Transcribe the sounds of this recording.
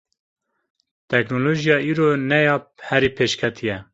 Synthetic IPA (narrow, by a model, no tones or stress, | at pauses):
t̪ʰɛknoloːʒijɑːiːɾoːnɛjɑːp̚hɛɾiːpʰeːʃkʰɛt̪ʰijɛ